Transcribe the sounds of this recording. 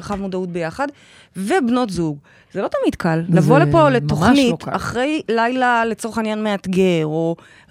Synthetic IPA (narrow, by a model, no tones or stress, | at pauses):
ʁχavmodaut̚be̞jaχad | vebno̞tzuɡ | z̥elo̞tamidkallavolepo̞le̞t̪o̞χnitaχʁe̞jlajlale̞t͡so̞ʁeχinjanme̞atɡeʁo̞